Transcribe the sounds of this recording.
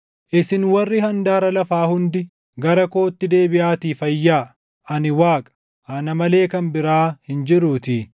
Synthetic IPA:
ʔɪsɪnwɐrːɪhɐnd̪aːɾɐlɐfaːhʊnd̪ɪ | ɡɐɾɐko̞ːt̪ːɪd̪e̞ːbɪʔaːt̪iːfɐjːaː | ɐnɪwaːkʼɐ̥ | hɐnɐmɐle̞ːkɐnbɪɾaːhɪnd͡ʒɪɾuːt̪ɪ

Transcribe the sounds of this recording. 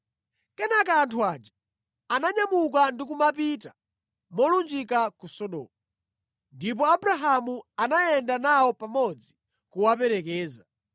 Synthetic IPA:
kɛnakaːntʰuat͡ʃḁ | anaɲamukandik̬umapita | mɔlund͡ʒikakusɔɗɔ̰ːmu | ndip̬ɔabuɾaɦamuanajɛndanawɔpamɔd͡zi | kuwap̬ɛɾɛkɛːza

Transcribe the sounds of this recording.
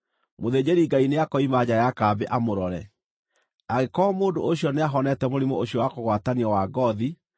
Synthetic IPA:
moðed͡ʑeɾiɡaineakɔimad͡ʑajakaːbeʔamoɾɔɾɛ | aɣekɔmoːdooɕjɔneaɦɔnɛtɛmoɾimooɕjɔwakoɣwataniɔwaɡɔði

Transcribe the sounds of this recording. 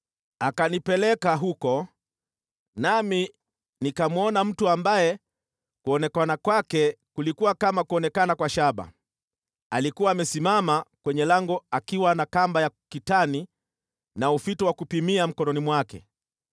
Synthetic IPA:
akanipɛlɛkaɦukɔ | nami | nikamuɔnam̩tuambajɛ | kuɔnɛkanakwakɛkulikuwakamakuɔnɛkanakwaʃaɓa̰ | alikuwaːmɛsimamakwɛɲɛlaŋɡɔakiwanakambajakitani | naufitɔwakupimiam̩kɔnɔnimwakɛ̰

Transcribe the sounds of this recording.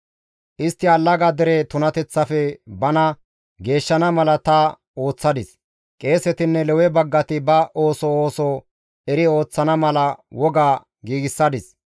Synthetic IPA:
ʔɪst̪ːɪɐlːɐɡad̪ɛɾet̪ʊnɐt̪ɛt͡sːɐfɛbɐnɐ | ɡe̞ːʃːɐnɐmɐlɐt̪ɐ | o̞ːt͡sːɐd̪ɪs | kʼe̞ːsɛt̪ɪnːɛlɛwɛbɐɡːɐt̪ɪbɐoːsɔoːsɔ | ɛɾɪo̞ːt͡sːɐnɐmɐlɐwɔɡaː | ɡiːɡɪsːɐd̪ɪs

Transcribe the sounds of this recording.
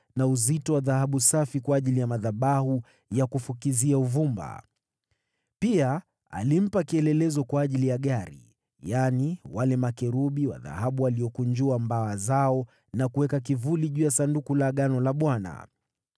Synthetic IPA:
nauzitɔwaðahaɓusafikwaːʄilijamaðaɓahu | jakufukiziauvumba̰ | pia | a̰lim̩pakiɛlɛlɛzɔkwaːʄilijaɠaɾḭ | janiwalɛmakɛɾuɓiwa̰ða̰haɓuwaliɔkuɲd͡ʒuambaazaɔ | nakuwɛkak̬ivuliʄuːjasandukulaɠanɔlaɓwana̰

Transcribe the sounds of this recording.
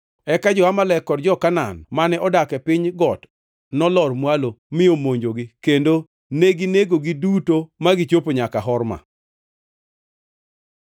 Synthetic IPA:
ɛkad͡ʒɔamalɛkːɔdd͡ʒɔkana̰nmanɛʔɔdakɛpɪɲɡɔt | nɔlɔrmwalomɪomoɲd͡ʒoɡikendo | neɡineɡoɡidutomaɡit͡ʃopoɲakaɦɔrma̰

